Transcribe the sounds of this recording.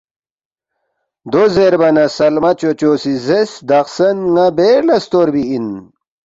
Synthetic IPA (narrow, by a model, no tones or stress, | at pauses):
d̪ozeɾbɐnɐsɐlmɐt͡ɕot͡ɕoːsizesd̪ɐqsɐnŋɐbeːlɐst̪oːɾbiin